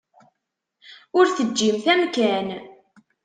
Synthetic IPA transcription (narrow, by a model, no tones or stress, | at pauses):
ʊɾθəd͡ʒːimθæmkæn